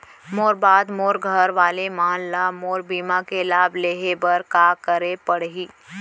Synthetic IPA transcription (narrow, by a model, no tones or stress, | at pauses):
moːɾbaːd̪moːɾɡʱəɾʋaːlemaːnlaːmoːɾbiːmãkelaːbleːɦebəɾkaːkəɾepəɽɦiː